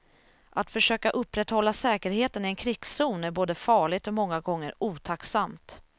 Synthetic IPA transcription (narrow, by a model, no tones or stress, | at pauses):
ʔat̪fœʂøːkaʔɵpːɾɛt̪hɔlːasɛːkəɾheːt̪ənɪɛnkʰɾɪɡ̥suːnæɾboːd̪əfɑːɭɪɡ̚t̪ɔmɔŋːaɡɔŋːəɾuːt̪ʰaksamt̪